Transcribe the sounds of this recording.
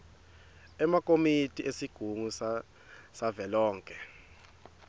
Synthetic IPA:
ɛmakʼomitʼiʔesiɡ̥ʱuŋus | savɛlɔːŋkʼɛ

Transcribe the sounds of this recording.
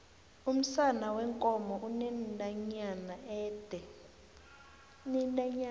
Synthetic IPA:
um̩sanawɛŋkʼɔmɔʔunɛdaɲanaɛːd̥ʱɛ | nɛndaɲ

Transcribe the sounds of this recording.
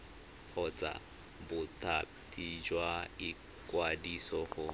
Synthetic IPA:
χʊt͡sʼa̰ | bʊtʰʼatʰʼid͡ʒwai | kwadisɔχʊ

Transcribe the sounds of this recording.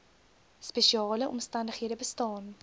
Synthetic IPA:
speʃiɑːləʔɔmstɐndəχɦiədəbəstɑːn

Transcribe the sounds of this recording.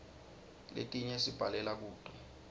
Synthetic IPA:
lḛtʼiɲɛsib̥ʱalɛlak̬uːd̥ʼʱwɛ

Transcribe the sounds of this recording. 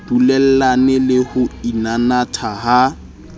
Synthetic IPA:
d̥ulɛl̩lanɛlɪhʊinanatʰaha

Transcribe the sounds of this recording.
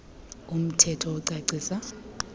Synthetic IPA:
um̩tʰɛtʰɔuǀaǀiːsa

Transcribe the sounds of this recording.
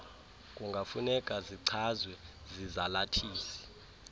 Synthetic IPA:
kʼuŋɡʱafunɛkʼaziǀʰazwɛzizalatʰiːsi̥

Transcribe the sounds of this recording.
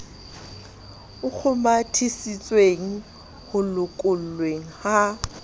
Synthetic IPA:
ʊk͡xʰʊmatʰisit͡sʼweŋ̩ | hʊlʊkʼʊl̩lweŋ̩ha

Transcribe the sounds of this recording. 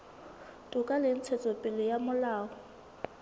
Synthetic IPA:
tʼʊkʼalɪn̩t͡sʰɛt͡sʼɔpʼɪlɪjamʊlaːɔ

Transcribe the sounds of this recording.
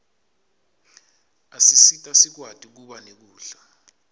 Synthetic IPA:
a̰sisitʼasik̬watʼik̬uɓanek̬uːɬa

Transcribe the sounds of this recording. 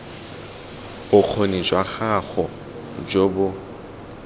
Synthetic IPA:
ʊk͡xʰonid͡ʒwaχaɣɔ | d͡ʒobʊ

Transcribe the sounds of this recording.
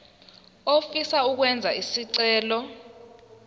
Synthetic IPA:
ofisauk̬wɛnd͡zʱaisiǀɛːlɔ

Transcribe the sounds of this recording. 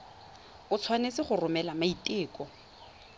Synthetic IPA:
ʊt͡sʰwanet͡sɪχʊrʊmɛlamaitʼɪːkʼɔ

